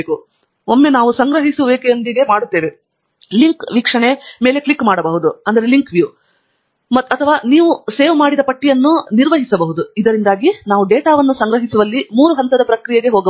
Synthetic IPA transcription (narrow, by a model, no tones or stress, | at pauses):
ku | omːe̞naːʋusɐŋɡɾɐɦisuʋeːkejɐnd̪iɡe̞maːɽut̪ːe̞ːʋe | liŋkʋikʂɐɳe̞me̞ːleklikːmaːɽɐbɐɦud̪uɐnd̪ɐɾe̞liŋkʋjuː | mɐt̪ːɐt̪ʰɐʋaːniːʋuse̞ːʋmaːɽid̪ɐpɐʈːijɐnːuniɾʋɐɦisɐbɐɦud̪uid̪ɐɾind̪aːɡinaːʋuɖeːʈaːʋɐnːusɐŋɡɾɐɦisuʋɐlːimuːɾuɦɐnt̪ɐd̪ɐpɾɐkɾijeɡe̞ɦoːɡɐ